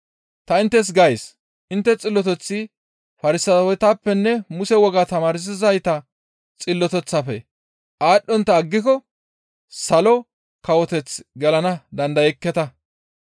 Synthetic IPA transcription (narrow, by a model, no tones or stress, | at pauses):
t̪ɐɪnt̪ːɛs̬ɡɐjs | ʔɪnt̪ːɛt͡sʼɪlːɔt̪ɛt͡sːɪ | fɐɾɪsɐwɔjt̪aːpːɛnːɛmʊsɛwɔɡat̪ɐmaːɾɪs̬ɪzɐjt̪ɐ | t͡sʼɪlːɔt̪ɛt͡sːɐfɛ̰ | ʔaːɗːɔnt̪ːɐːɡːɪkɔ | sɐlɔ | kɐwɔt̪ɛt͡sɡɛlɐnɐd̪ɐnd̪ɐjɛkːɛt̪ɐ